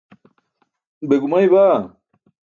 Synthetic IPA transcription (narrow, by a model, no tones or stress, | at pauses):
beɡumajba